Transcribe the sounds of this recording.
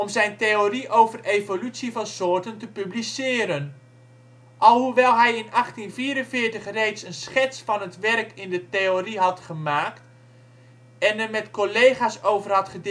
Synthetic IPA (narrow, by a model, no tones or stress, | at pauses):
ɔmzɛjntejoriʔowvərejvolytsivɑnsʊːɹtəntəpyblisɪːɾən | ʔɑlˠɦuʋɛlˠɦɛjɪnɑχtinviːɾənvɪːɹtəχrejtsənsχɛtsfɑnətʋɛrkɪndətejoriɦɑtχəmaːkt | ɛnərmɛtkolejχaːsowvərɦɑtχəd